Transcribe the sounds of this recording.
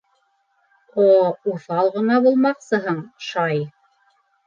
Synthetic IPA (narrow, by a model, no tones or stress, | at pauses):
ouθɑlˠʁɤ̆nɑbulˠmɑqsɤɦɤɴʃɑj